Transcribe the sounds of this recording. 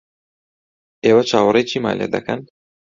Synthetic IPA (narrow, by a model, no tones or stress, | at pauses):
eːwat͡ʃʰaːwɾet͡ʃʰiːma̰ːlḛːd̪ɐ̰kɐn